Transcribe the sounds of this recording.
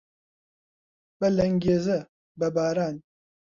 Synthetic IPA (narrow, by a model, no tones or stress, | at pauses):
b̥ɐlɐŋɡʲeːzɐ | bɐbaːɾaːn